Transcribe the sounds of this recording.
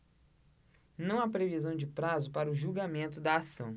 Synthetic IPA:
nɐ̃w̃apɾevizɐ̃w̃d͡ʒɪpɾazʊpaɾɐʊʒuwɡamẽnt̪ʊd̪ɐːsɐ̃w̃

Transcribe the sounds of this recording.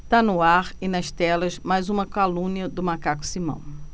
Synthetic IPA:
t̪anʊaɾɪnɐʃt̪ɛlɐzmajzũmɐkalũniɐd̪ʊmakakʊ̥simɐ̰̃w̃

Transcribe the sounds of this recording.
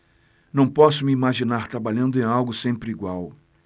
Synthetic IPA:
nɐ̃w̃pɔsʊmɪimaʒinaɾt̪ɾabaʎɐ̃nd̪ʊẽj̃awɡʊsẽmpɾɪiɡwaw

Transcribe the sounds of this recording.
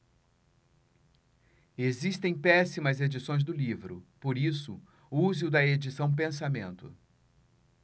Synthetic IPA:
ezist̪ẽj̃pɛsimɐzed͡ʒisõj̃zd̪ʊlivɾʊpoɾisʊ̰ | uzɪʊd̪ɐed͡ʒisɐ̃w̃p̬ẽs̬amẽnt̪ʊ

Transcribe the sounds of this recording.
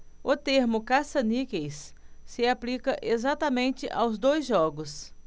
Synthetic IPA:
ʊt̪eɾmʊkasɐnikejsːɪaplikɐʔezat̪ɐmẽnt͡ʃɪʔawzd̪ojzʒɔɡʊs

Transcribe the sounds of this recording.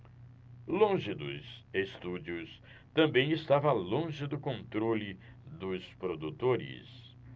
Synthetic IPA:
lõʒɪd̪ʊ̰zest̪ud͡ʒiʊs | t̪ɐ̃mbẽj̃ɪst̪avɐlõʒɪd̪ʊkõnt̪ɾoli | d̪ʊspɾod̪ut̪oɾɪ̰s

